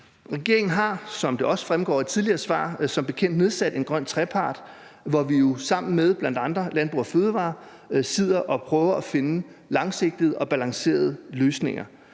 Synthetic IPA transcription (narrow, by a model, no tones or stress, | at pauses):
ʁɛɡ̥e̝ɐ̰eŋn̩ɦɑ̈sɒ̽md̥e̝ʔɒ̽sfʁamɡ̥ɒ̰ːid̥t͡sʰiðˠliɐːsʋɑ̰̈ːsɒ̽mb̥e̝kʰen̰d̥ne̝ð̞ˠsæd̥e̝nɡ̥ʁɶn̰t͡sʰʁɛpʰɑ̈ːd̥ | ʋɒʋijo̝sɑ̈m̰n̩með̞ˠb̥læn̰d̥ɑ̈nd̥ʁɐlænb̥ʁṵːɐføːðˠʋɑ̰̈ː | sið̞̰ˠɐʔɒ̽pʰʁœːʊɐæfe̝nəlɑ̈ŋse̝ɡ̥̚d̥ið̞̩ˠɒ̽b̥ælɑ̈ŋse̝̰ːɐð̞ˠəløːsne̝ŋɐ